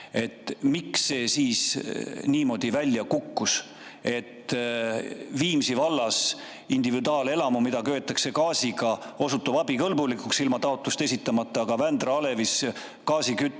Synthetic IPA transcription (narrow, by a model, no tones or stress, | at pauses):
e̞t̪ːˑmiksːe̞ːsiːsniːmo̞d̪̥ivælʲːjɑkukːus | e̞t̪ː | viːmsivɑlːɑs | ind̪̥ivid̪uɑːle̞lɑmumid̪̥ɑkøːt̪ːˑɑkse̞kɑːsiɡɑo̞sut̪ːˑubɑbikɤlbulikuksilmɑt̪ɑo̞t̪ˑlust̪e̞sit̪ˑːɑmɑt̪ːˑɑːɡ̥ɑvænd̪rɑɑle̞vis | kɑːsikyt̪ˑː